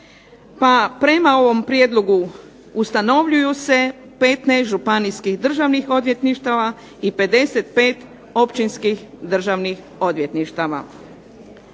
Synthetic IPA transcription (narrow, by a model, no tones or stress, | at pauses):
papɾe̞mao̞ʋo̞mpɾjed̪loɡu | ust̪ano̞ʋʎujuse̞pe̞t̪neʒupaniskixd̪r̩ʒaʋnixo̞d̪ʋje̞t̪niʃt̪aʋa | ipe̞d̪e̞set̪̚pe̞ːt̪ | o̞pt͡ʃinskixd̪r̩ʒaʋnix | o̞d̪ʋje̞t̪niʃt̪aʋa̰